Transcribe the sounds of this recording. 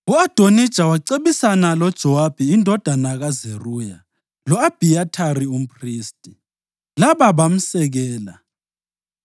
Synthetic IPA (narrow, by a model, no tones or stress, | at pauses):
uad̥ʱonid̥ʒ̥ʱawaǀeβisanalɔd̥ʒ̥ʱɔwab̥ʱiindʱɔd̥ʱanaɣazeruja | lɔab̥ʱiatʰarium̩pʰʼriːstʼi | laβaβam̩sɛɣɛːla